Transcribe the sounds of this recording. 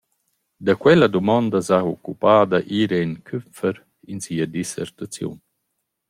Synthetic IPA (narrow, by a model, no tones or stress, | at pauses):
d̪akwɛlɐd̪umɔnd̪ɐzaokːupaːd̪ɐʔiɾeinkʰymfəɾ | insiːɐd̪isɛ̰ɾt̪at͡sjṵn